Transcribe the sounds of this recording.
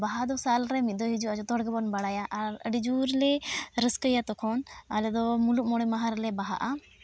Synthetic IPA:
baɦad̪ɔsalɾɛmit̪̚ˀd̪ɔɦid͡ʒuʔad͡ʒɔt̪ɔɽɡɛbɔnbaɽajaʔaɾəɖid͡ʒuɾlɛɾəskəjat̪ɔkʰɔnalɛd̪ɔmuluʔ̚mɔɽ̃ɛmaɦaɾlɛbaɦa̰ʔa

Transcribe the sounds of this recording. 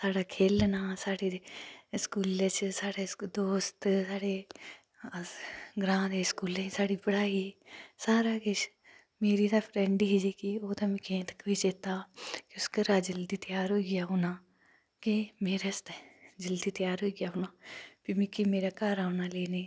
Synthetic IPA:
saːɽaːkʰeːlnaːsaːɽeeskuːlet͡ʃsaːɽed̪oːst̪saːɽe | ɡɾãːd̪eːskuːlẽsaːɽiːpəɽaːiːsaːɾaːkɪt͡ʃ | meːɾiːd̪apʰɾɛɳɖiɦid͡ʒeːkioːt̪amɪ̃kẽːt̪ə̥kʋit͡ʃeːt̪aːkiʊskəɾaːd͡ʒəld̪iːt̪ɪjaːɾɦoːiɡɪjaːɦoːnaː | kemeːɾest̪ed͡ʒəld̪iːt̪jaːɾɦoːiːɡjaːɦoːnaːpimĩkimeːɾaːkaːɾaːnaːleːneː

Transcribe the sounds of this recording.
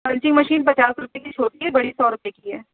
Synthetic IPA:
pɐ̃ɲt͡ʃɪ̃ŋɡmɐʃiːnpɐt͡ʃaːsɾʊpekit͡ʃʰoːʈiɦɛbɐɽisɔːɾʊpekiɦɛː

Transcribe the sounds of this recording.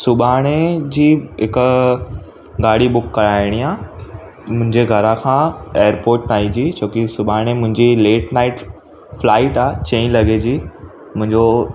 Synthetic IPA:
sʊbaːɽ̃ed͡ʑiːɦɪk | ɡaːɽibʊkːɐɾaːɪɽ̃iaː | mʊ̃ɦɪ̃ɲd͡ʑeɡʱɐɾãkʰãːeːəɾpoːɾʈnaːĩd͡ʑiːt͡ɕʰoːkisʊbʱaːɽ̃emʊ̃ɦɪ̃ɲd͡ʑileːʈnaːɪʈ | flaːɪʈaːet͡ɕẽːĩlɐɡed͡ʑiː | mʊ̃ɦɪ̃ɲd͡ʑo

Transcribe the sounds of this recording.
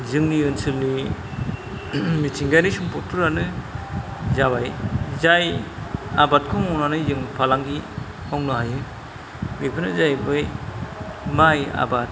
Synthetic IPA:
zɯŋniɯnsɯlni | mitʰiŋɡajnisumpʰɔtʰuɾanɯ | zaβajzaj | abat̚kʰɔŋɔwnanajzɯŋpʰalaŋɡi | ɔŋnɔɦajɯ | bepʰɯnɯzajbɯj | maja̰bat̚

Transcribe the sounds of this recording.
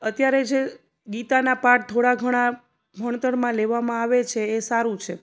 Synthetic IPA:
ət̪jaɾed͡ʒe | ɡit̪anapaʈ̚t̪ʰoɽaɡʱəɽ̃a | bʱəɳt̪əɽmãleʋamãaʋet͡ʃʰeːsaɾũt͡ʃʰe

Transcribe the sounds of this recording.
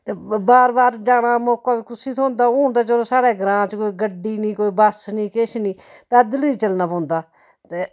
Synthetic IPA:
t̪eːbaːɾbaːɾd͡ʒaːɽ̃aːmoːkaːʋiːkʊsiːt̪ʰoːnd̪aːõːnd̪aːt͡ʃəlõːsaːɽɛːɡɾãːt͡ʃkoːiːɡəɖiːnĩːkoːiːbəsnĩːkeʃniːpɛːd̪əliːt͡ʃəlnaːpõːnd̪aː | t̪eː

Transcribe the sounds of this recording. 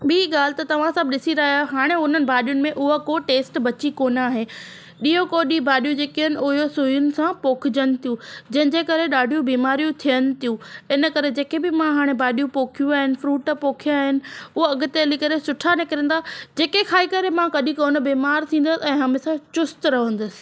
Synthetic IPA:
ɓiiɠaːl̤ɪt̪ɐt̪ɐʋ̤ãsɐbɗɪsiɾaːaɦaːɽ̃eʊn̤ənɪ̆bʱaːɗijʊnɪ̆mẽʔʊɦakoːʈeːsʈbɐt͡ɕikoːnaːɦe | ɗiːokoɗibʱaːɗijũd͡ʑeːkiɦənɪ̆ʊɦjosujʊnɪ̆sãpoːkʰɪd͡ʑənɪ̆t̪ʰijũd͡ʑɐ̃ɦɪ̃ɲd͡ʑeːkɐɾeɗaːɖʱijũbiːmaːɾijũt̪ʰijənɪ̆t̪ʰijũɪnəkɐɾed͡ʑeːkebɪmãɦaːɽ̃ebaːɗijũpoːkʰijũaːɦɪnɪ̆fɾuːʈpoːkʰijaːɦɪnɪ̆ʊɦoɐɡʊt̪eɐlikɐɾesʊʈʰanekɪɾə̃n̆d̪aːd͡ʑeːkekʰaːikɐɾemãkɐɗĩkoːnəbiːmaːɾt̪ʰĩːn̆d̪əsɪɛ̃ːɦamɪ̃sãt͡ɕʊst̪ɾɐɦə̃nd̪ʊsɪ̥̆

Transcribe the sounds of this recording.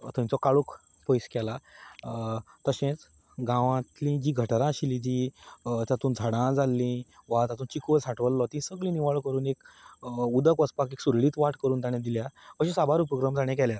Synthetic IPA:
t̪ə̃j̃ĩt͡sɔkaɭuk | pojskɛla | t̪əɕẽt͡s | ɡãʋãt̪lĩd͡ʑiːɡʱəʈɾãɕilĩd͡ʑit̪jat̪uːnd͡zʱaɽãd͡zalːĩʋat̪at̪ũːnt͡ɕikʋəsaʈʋəlːɔt̪ĩsəɡɭĩːniʋaɭkəɾuːnek | ud̪əkəspakeksuɾɭiːt̪ʋaʈkəɾuːnt̪aɽ̃ẽd̪iljakəɕẽsabaɾupɾoɡɾamd͡zaɽ̃ẽk̬ɛlja

